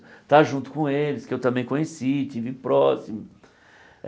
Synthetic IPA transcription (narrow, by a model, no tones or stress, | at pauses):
t̪aʒũnt̪ʊ̥kõelɪskɪewt̪ɐ̃mbẽj̃kõɲesit͡ʃivɪpɾɔsimʊ